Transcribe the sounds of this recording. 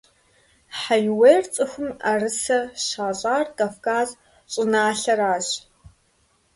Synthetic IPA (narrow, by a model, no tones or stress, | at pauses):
ħajweːrt͡sʼɨxʷʊmarɨsɐɕaːɕʼaːrkʼafkaːz | ɕʼɪnaːɬɐɾaːʑ